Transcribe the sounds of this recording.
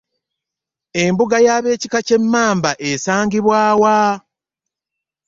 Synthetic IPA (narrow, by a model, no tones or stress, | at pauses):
e̞mbuɡajaːβe̞ːcikace̞mːaːmbaʔesaːŋɡiβwaːwa